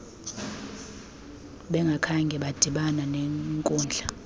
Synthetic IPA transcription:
ɓɛŋɡʱakʰaŋɡʱɛɓad̥ʱiɓananɛŋkʼɔːnd͡ɮʱa

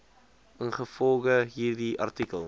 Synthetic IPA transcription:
ənχəfɔlˠχəɦiːrdiʔɐ̰rtikəlˠ

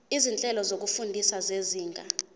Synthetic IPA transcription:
izint͡ɬʼɛlɔzok̬ufundʱisazeziːŋʱa

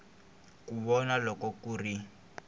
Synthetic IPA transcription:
kuβɔnalɔkɔkuːri

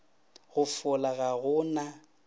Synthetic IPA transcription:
ɣʊfʊlaɣaɣʊna

